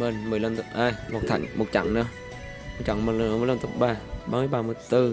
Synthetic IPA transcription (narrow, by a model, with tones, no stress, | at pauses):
mə˨˩nmɨ˨˩əjlə˧˩nt̪ɨ˧˦˥p̚ʔaː˧˩jmo˨˩t̚t̪ʰa̰˧˩jŋ̟mo˨˩t̚t͡ɕa̰˧˩ŋnəː˧˦ | mo˨˩t͡ɕa̰˧˦ŋmə˨˩lmɨː˧˩˨lə˧nt̪ə˦˥p̚ɓaː˧˩ɓaː˧mɨ˧əjɓaː˧mɨ˧˩əjt̪ɨ˧